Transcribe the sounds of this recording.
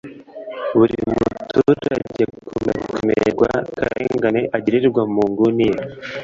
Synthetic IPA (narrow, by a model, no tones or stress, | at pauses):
βuɾimutʰuɾaɟekʰumekumḛɾɡwa̰kaɾeːŋɡaneʔaɟiɾiɾɡwamuːŋɡunije